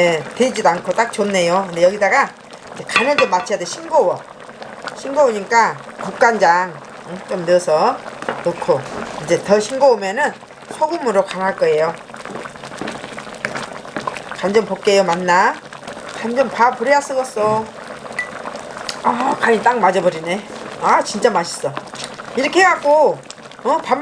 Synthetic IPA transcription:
etwed͡ʑidankʰot͈ak̚t͡ɕonne̞jokɯndejʌɡidaɡa | id͡ʑekanɯɭd͡ʑʌmːat͡ɕʰijadeɕʰinɡowʌ | ɕʰinɡooɲik͈akuk̚k͈and͡ʑaŋ | ɯt͡ɕomnɯʌsʰʌnokʰoind͡ʑe̞tʌɕʰinɡoomjʌnɯn | sʰʌɡɯmɯɾokanaɭk͈ʌe̞jo | kand͡ʑʌmpok̚k͈ejomanːa | kand͡ʑʌmpapuɾias͈ɯɡʌs͈o | ʌkaɲit͈aŋmad͡ʑʌbʌɾineat͡ɕint͡ɕ͈amaɕʰi̥s͈ʌiɾʌkʰeɦaɡo | ʌpam

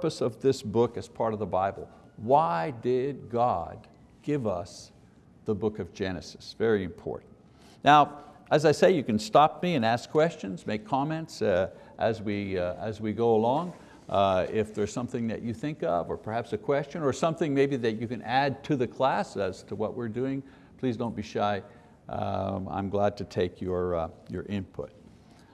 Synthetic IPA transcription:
pəsʌvðɪsb̥ʊkɨz̥pʰɑɹɾʌvðəbaɪbl̩ˠ | waɪdɪd̚ɡɑd̚ | ɡ̥ɪvʌ̰s | ðəbʊkʌvd͡ʒɛnɨsɨ̥svɛɹiɨ̃mpʰɔ̰ɹʔn̩t | naʊɨzaɪseɪjɨkɨ̃n̩stɑp̚miɨ̃næskʰːw̥ɛst͡ʃɨ̃nzmeɪkʰɑmɛ̃nts | ʔɨzwiɨ̰zwiɡoʊəlɔ̃ŋ | ɪfðə˞z̥sʌ̃mθɪ̃ŋðɨ̰t͡ʃɨθɪ̃ŋkʌ̰və˞pʰə˞hæpsɨkʰw̥ɛst͡ʃɨ̃nə˞sʌ̃mθɪ̃ŋmeɪbiðɨt͡ʃɨkɨ̃nʔæd̚tʰɨðɨkʰl̥æsəz̥tʰəwʌʔwɪɹdʉɪ̃ŋ | pʰl̥izdõʊ̃nb̥iʃaɪ | ã̰ɪ̃mɡlæd̚tʰɨtʰeɪkʰjə˞jə̰˞ʔɪ̃npʰʊ̰t̚

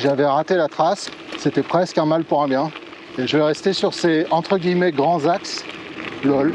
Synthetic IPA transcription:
ʒavɛʁat̪elat̪χasːet̪ɛpχɛskɛ̃malpuʁɛ̃bjɛ̃ | eʒəvɛʁɛst̪esyʁseɑ̃t̪χəɡʲijmɛɡʁɑ̃zaks | lɔl

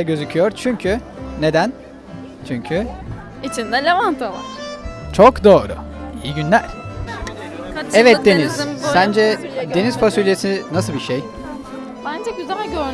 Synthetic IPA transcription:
ɟø̞zycʰyjoɾt͡ʃʰyɲcʰy | ne̞d̪æn | t͡ʃʰyɲcʰy | it͡ʃʰind̪ɛlʲevant̪ʰalˠḁt͡ʃʰokd̪o̞ːɾʊ̰ijiɟynlʲæɾ̥ | ɛvɛt̪̚d̪e̞niz̥sænd͡ʒɛd̪e̞niz̥fasylʲʰesininasɯlbiʃej | bænd͡ʒɛɟyzælʲɟøɾ

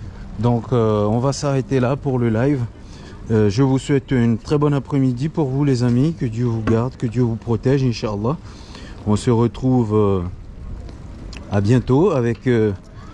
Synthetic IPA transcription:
d̪ɔ̃køɔ̃vasaʁet̪elapuʁləlajv | øʒəvuswɛt̪ynt̪χɛbɔnapχɛmid̪ipuʁvulezamikəd̪jøvuɡaʁd̪kəd̪jøvupχɔt̪ɛʒɛ̃nʃaɑlˠːɑ | ɔ̃səʁət̪χuv | abjɛ̃t̪oavɛkø

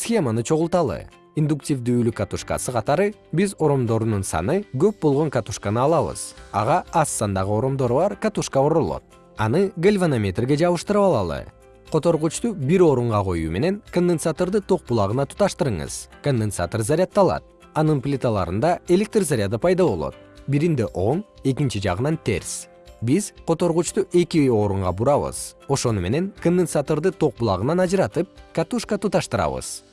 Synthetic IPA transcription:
sxʲe̞manɯt͡ʃʰo̞ʁʊlˠt̪ɑlˠɯ̰ | ind̪uk̚tʲivd̪yːlykːat̪uʂka̰sɯqʰɑt̪ɑɾɯ | bizo̞ɾo̞md̪o̞ɾununsɑ̰nɯɡø̞p̚bolˠʁo̞ŋkat̪uʃkanɯɑlˠɑβɯ̰z̥ɑ̰ʁɑɑsːɑnd̪ɑʁɯo̞ɾo̞md̪o̞ɾuβɑɾkat̪uʂkaoɾolˠo̰t̪̚ | ɑnɯɡelʲvanamʲet̪rɡe̞d͡ʒɑβɯʃt̪ɯɾɯpɑlˠɑ̰lˠɯ̰ | qʰo̞t̪o̞ɾʁut͡ʃt̪ubiɾo̞ɾuɴʁɑqʰo̞̰jṵːme̞̰ne̞nkond̪ensat̪o̞ɾd̪ɯt̪ʰo̞q̚bulˠɑʁɯnɑt̪ʰu̥t̪ɑʃt̪ɯɾɯɴɯ̰zko̞nd̪ensa̰t̪orzaɾʲjat̪ːɑlˠɑ̰t̪̚ | ɑnɯnplʲit̪alˠɑ̰ɾɯnd̪ɑe̞lʲek̚t̪rzaɾʲjad̪apʰɑjd̪ɑβo̞lˠo̞̰t̪̚ | biɾind̪eʔo̞ɴe̞k̬int͡ʃid͡ʒɑ̰ʁɯnɑnt̪e̞̰ɾs | biz̥qʰo̞t̪o̞ɾʁut͡ʃt̪uʔe̞kʲio̞ɾuɴʁɑbuɾɑβɯ̰z̥o̞ʃo̞nume̞ne̞ŋkond̪ensat̪oɾd̪ɯt̪ʰoq̚bulˠɑ̰ʁɯnɑnɑd͡ʒɯɾɑt̪ɯp̚kat̪uʃkat̪ut̪ɑʃt̪ɯɾɑ̰βɯ̰z̥

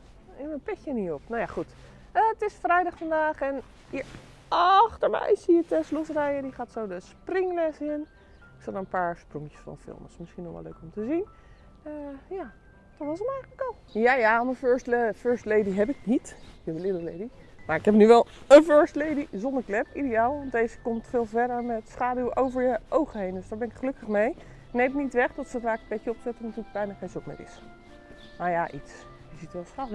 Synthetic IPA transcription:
ɛməpɪkjəniopnajaχut | ətɪsfrɛjdɑxfɑndaːxɛn | ə | ɑxtəɹmɛ̰jsiətɛslusrɛjədiχaːtsowdəsprɪŋlɛsɪn | ɪksɔtənpaːɹsprɔŋjə̥sfɔ̰nfɪ̰lˠməsmɪsχinɔʋɛ̰lːø̰ːkɔmtəzin | əja | tɔtʋɔs̬əmɛjχələkɔlˠjaːjaməføɹstlføɹstlejdiɦɛpɪk̚nitɪkɛpəlɪdəlejdi | maɹɪkɦɛpnyʋɛlˠənføɹstlejdizɔndəɹklɛpidejaːlˠʋɑntdejzəkɔmtfɪːlˠvɛdəɹmɛtsχaːdywʔowvəɹjəʔowχəɦejndøsdaːɹbɛnɪkχəlɵkəχmej | nejmnitʋɛχdɔtsəfraːkəpɛcəɔpsɛtənatyːɹləɡbɛjnaːχejnzokmɪ̰ɹɪ̰s | majaʔits | jəzitʋɛlˠsχaː

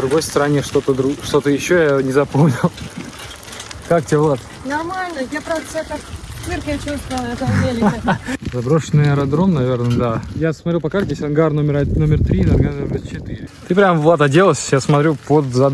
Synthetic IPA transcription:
d̪ɾʊɡo̞jst̪əɾɐnʲeʂt̪o̞t̪əd̪ɾuʂt̪o̞t̪əjɪɕːojanʲɪzɐpo̞mnʲɪlˠ | kakt̪ʲɪelˠat̪ | nɐrmalʲnəjapɾavd̪əsɛt̪əmɨrkət͡ɕust̪vəlˠəɛt̪əvʲelʲɪzɐbɾo̞ʂənːɨjɐɾɐd̪ɾo̞mnɐvʲe̞rnəd̪ajasmɐt̪ɾʲupɐkat̪ʲɪesʲɐnɡarno̞mʲɪɾno̞mʲɪrt̪ɾʲid̪ɐɡat͡ɕɪt̪ɨɾʲɪt̪ɨpɾʲamvlˠat̪ədʲe̞lˠəsʲjasmɐt̪ɾʲupod̪zɐ

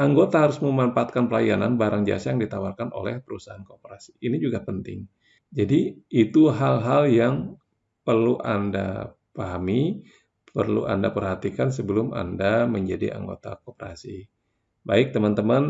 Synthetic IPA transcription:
ʔaŋɡot̪aɦaɾʊsməmampaːt̪̚kanpəlajana̰nbaɾaŋd͡ʒa̰sajaŋdit̪awarkano̰lɛhpəɾusaɦankəopəɾasi̥ːnid͡ʒuɡapənt̪ɪŋ | d͡ʒadiːt̪uɦalɦaljaŋ | pərluʔa̰nda̰ | paɦami | pərlṵʔa̰ndapərhat̪ikansəbəlʊma̰ndaməɲd͡ʒadḭʔa̰ŋɡo̰t̪a̰kopəɾa̰si | baɪk̚t̪əmant̪əman

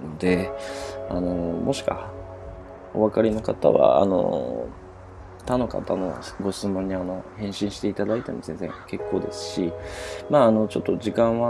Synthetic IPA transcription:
nod̪e̞ | a̰no̞mo̞ɕi̥ka̰ | o̞βakaɾʲeno̞kat̪a̰βa̰a̰no̞̰ | t̪ano̞ka̰t̪anoβ̰ɡo̞ɕi̥t͡sɨmõ̞ɲ̟ːiano̞hẽ̞ɰ̃ɕĩɰ̃ɕi̥t̪e̞it̪ad̪ait̪e̞mo̞zẽ̞ñzẽ̞̰ŋke̞kːo̞ːd̪e̞sɨ̥ɕimaːno̞t͡ɕo̞t̪ːo̞d͡ʑikãɰ̃βa

